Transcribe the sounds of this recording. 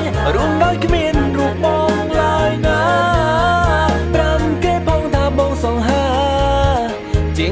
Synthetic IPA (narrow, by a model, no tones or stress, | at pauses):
ruənɗaɔjkʰmiənruəp̚ɓɑːŋlaəjna | pramkeːpɔŋt̪ʰaːɓɑːŋsɑŋɦaː | t͡ɕiə